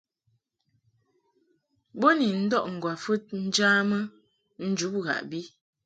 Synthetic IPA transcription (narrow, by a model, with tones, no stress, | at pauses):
bo˦ni˨n̩˦dɔ˦ʔŋ̩˨ɡwa˨fə˦t̚n̩˦d͡ʒa˦mə˦ | n̩˦d͡ʒu˨˦p̚ɣa̰˨ʔbi˦